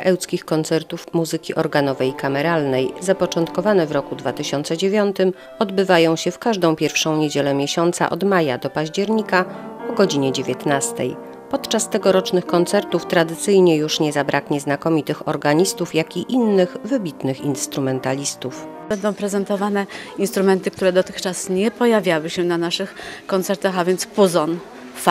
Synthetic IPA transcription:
ʔɛwt̪skʲixkɔnt̪sɛɾt̪ufmuzɘkʲiʔɔɾɡanɔvɛjkamɛɾalnɛjzapɔt͡ʂɔnt̪kɔvanɛvɾɔkud̪vat̪ɘɕɔnt̪sɛd͡ʑevʲjɔnt̪ɘm | ɔd̪bɘvajɔ̃w̃ɕɛfkaʐd̪ɔ̃w̃pʲjɛɾfʂɔ̃w̃ɲed͡ʑelɛmʲjeɕɔnt̪sa̰ʔɔ̰d̪majad̪ɔpaʑd͡ʑɛɾɲikapɔɡɔd͡ʑiɲɛd͡ʑevʲjɛt̪nast̪ɛ̰j | pɔt̪t͡ʂast̪ɛɡɔɾɔt͡ʂnɘxkɔnt̪sɛɾt̪uft̪ɾad̪ɘt̪sɘjɲɛjuʂɲɛzabɾʔakɲɛznakɔmʲit̪ɘxɔɾɡaɲist̪ufjakʲiʔinːɘxvɘbʲit̪nɘxinst̪ɾumɛnt̪alʲist̪uf | ɛnd̪ɔ̃w̃pɾɛzɛnt̪ɔvanɛinst̪ɾumɛnt̪ɘk̚t̪uɾɛd̪ɔt̪ɘxt͡ʂasɲɛpɔjavʲjawɘɕɛnanaʂɘxkɔnt̪sɛɾt̪axavʲjɛnt̪spuzɔn | f

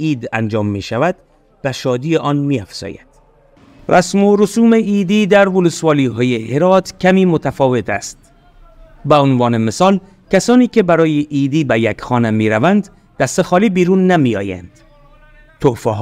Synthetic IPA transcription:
iːd̪æ̰nd͡ʒɒːmːḭːʃævæd̪̥ | bæʃɒːd̪iːeʔɒːnmiːæfz̥ɒ̰ːjæ̰d̪̥ | rʔæsmoɾosuːmeiːd̪iːd̪æɾvolesvɒːliːɦɒːjeheɾɒːt̪ʰkʲʰæmiːmot̪ʰæfɒːve̞t̪ʰæ̰st̪ | beonvɒːnemesɒːl | kʲʰæsɒːniːkʰe̞bæɾɒːjeʔiːd̪iːbæjækxɒːnemiːɾævænd̪ | d̪æst̪exɒːliːbiːɾuːnːæmiːɒ̰ːjæ̰nd̪̥ | t̪ʰofæɦ

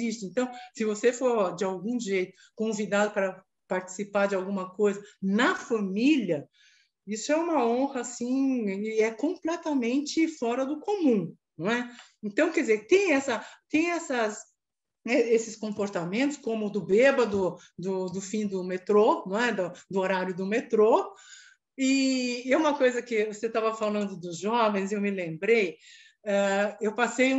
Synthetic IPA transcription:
zist͡ʃɪẽnt̪ɐ̃w̃sɪvosefoɾd͡ʒɪawɡũʒejt̪ʊ̥ | kõvid̪ad̪ʊpaɾɐ | paɾt͡ʃi̥sipaɾd͡ʒɪawɡũmɐkojzɐnɐfɐmilɐ | isʊɛũmɐõhɐasĩɪɛkõmplɛt̪ɐmẽnt͡ʃɪfɔɾɐd̪ʊkomũ | ñɛẽt̪ɐ̃w̃kɛdd͡ʒzeɾɪt̪ẽj̃ɛsɐt̪ẽj̃ɛsɐs | ɛesɪskõmpoɾt̪amẽnt̪ʊskõmʊd̪ʊbebɐd̪ʊ | d̪ʊd̪ʊfĩd̪ʊmet̪ɾoñɛd̪ɐd̪ʊoɾaɾjʊd̪ʊmet̪ɾo | ɪũmɐkojzɐkɪvoset̪avɐfalɐ̃nd̪ʊd̪ʊzʒɔvẽj̃zewmɪlẽmbɾej | ɛewpasej

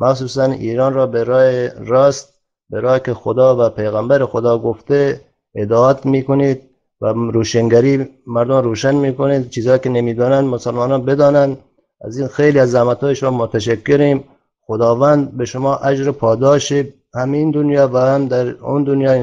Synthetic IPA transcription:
mʔæxsuːsænḭːɾɑːnɾɔːbeɾɑːjeɾɑːst̪̚ | beɾɑːkexod̪ɑːvæpejɣæmbæɾexod̪ɒːɡoft̪e | ed̪ɑːæt̪miːkonid̪̚ | væɾuːʃeŋɡæɾiːmæɾd̪omɾuːʃænmikonid̪̚t͡ʃʰiːzɒːkenemiːd̪ɒːnænd̪mosalmɑːnɑnbed̪ɒːnænd̪ | æ̰zinxejliazːæmat̪ʰɒːjeʃmɔmot̪ʰaʃækːeɾiːm | xod̪ɑːvænd̪beʃʊmɒːʔæd͡ʒɾepʰɒːd̪ɒːʃi | hæmiːnd̪ʊnjɑːvæhamd̪æɾṵnd̪ʊnjɑː

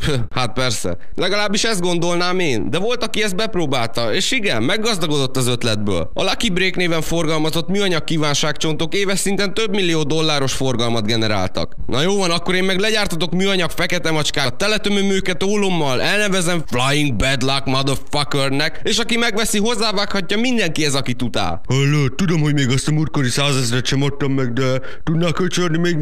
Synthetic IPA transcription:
h | hat̪̚pɛrsɛ̰ | lɛɡɒlaːbːiʃɛzd̪ɡo̞nd̪o̞lnaːmeːnd̪ɛvo̞lt̪ɒkiɛzt̪̚bɛproːbaːlt̪ɒeːʃiɡɛmːɛɡːɒzd̪ɒɡo̞d̪o̞t̪ːɒzø̞t̪lɛd̪̚bø̰ːlɒ̰lɒkibreːkneːvɛɱfo̞rɡɒlmɒzo̞t̪myːɒɲɒkːiːvaːnʃaːkt͡ʃo̞nt̪okeːvɛʃsint̪ɛnt̪øbmilːijoːd̪o̞lːaːɾo̞ʃfo̞rɡɒlmɒd̪ɡɛnɛɾa̰ːlt̪ɒ̰knʔɒjoːvɒnɒkːo̞ɾeːmmɛɡlɛɟaːrt̪ot̪o̞kmyːɒɲɒkfɛkɛt̪ɛmɒt͡ʃkaːt̪ːɛlɛt̪ømømøːkɛt̪oːlo̞mːɒlʔɛlnɛvɛzɛɱflajiŋɡ̚bɛd̪lakmɒd̪ofɒkørnɛkeːʃɒkimɛɡʋɛsiɦo̞zːaːvaːkhɒcːɒmind̪ɛŋkiɛzɒkit̪ut̪a̰ːlølːøːt̪ud̪o̞mhoɟmeːɡɒst̪ɒmurkoɾisaːzɛzɛɾɛt̪ʃɛmot̪ːomːɛɡ̚d̪ɛ | t̪ud̪nakːøt͡ʃøld̪nimeːɡ

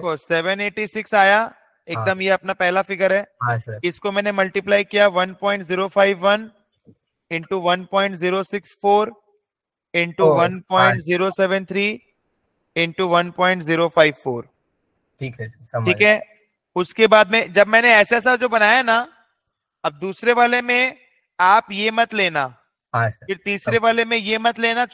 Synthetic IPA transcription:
koːseːʋəneːʈisɪksaːja | eːk̚d̪əmjeɐpnapɛɦlafɪɡəɾɦɛːɦãsɐɾɪskomɛ̃ːnemɐlʈiplaːikijaʋɐnpɔ̃ːɪ̃ɳʈziːɾofaːɪʋːɐn | ɪ̃ɳʈuʋɐnpɔ̃ːɪ̃ɳʈziːɾosɪksfoːɾ | ɪ̃ɳʈuʋɐnpɔ̃ːɪ̃ɳʈziːɾosɛːʋə̃nt̪ʰɾiː | ɪ̃ɳʈuʋɐnpɔ̃ːɪ̃ɳʈziːɾofʰaːɪʋfoːɾ | ʈʰiːkɛ | ɐʈʰiːkɦɛ | ʊskebaːd̪mẽd͡ʑɐbmɛ̃ːneɛːseːs̬ad͡ʒoːbɐnaːjana | ɐb̚d̪uːsɾeʋaːlemẽ | aːpjemɐt̪leːna | ɦafɪɾt̪iːsɾeʋaːlemẽjemɐt̪leːna

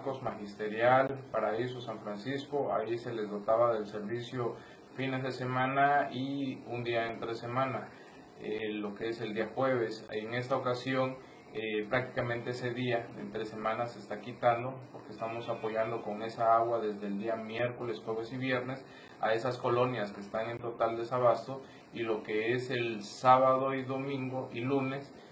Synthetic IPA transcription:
ko̞zmaxist̪e̞ɾjalpaɾaisosaɱfɾansisko̞aise̞le̞zðo̞t̪aβaðe̞lse̞ɾβisjo | fine̞zðe̞se̞mãnaiund̪iaent̪ɾese̞mãna | elo̞kee̞se̞ld̪iaxwe̞β̞e̞seŋe̞st̪aokasjo̞n | epɾak̚t̪i̥kamẽ̞nt̪eese̞ðiaḛnt̪ɾese̞mãnasest̪akit̪and̪o̞po̞ɾkeːst̪amo̞sapo̞ʝand̪o̞ko̞ŋe̞saaɣwaðe̞zðeld̪iamje̞ɾko̞lesxwe̞βe̞siβje̞ɾne̞s | a̰e̞sasko̞lo̞njaskeːst̪aŋe̞nt̪o̞t̪ald̪e̞saβast̪o̞ | ilo̞ke̞ese̞lsaβaðo̞iðo̞mĩŋɡoʔilune̞s

